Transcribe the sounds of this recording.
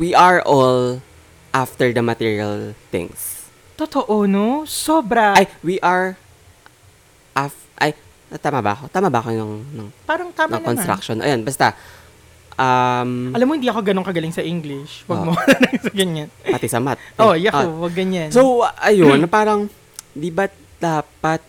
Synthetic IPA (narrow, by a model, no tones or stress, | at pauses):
wiʔɐɹʔol | ʔaft̪ɛɹd̪ɐmɐt̪iɹiɐ̰lt̪ɪ̰̃ŋs | t̪ot̪oʔonosoːbɾɐajwiʔɐɹ | ʔaf | ʔaj | ɐt̪aːmabɐ̰ʔɐko̞t̪aːmabɐʔɐko̞nɐŋnɐŋpaːɾɐŋt̪aːnɐkonst̪ɾa̰k̚ʃonʔɐ̰jonbɐst̪a | ʔamɐlamːohɪnd̪iːʔɐko̞ɡɐnoŋkɐɡɐlɪŋsɐʔiŋɡlɪʃwɐɡmɐwalanɐsɐɡɐɲanpɐt̪ɪsɐmat̪̚ojɐowɐɡːɐɲansowʔɐjonːɐpaːɾɐŋ | d̪ibɐ | d̪̥aːpɐt̪̚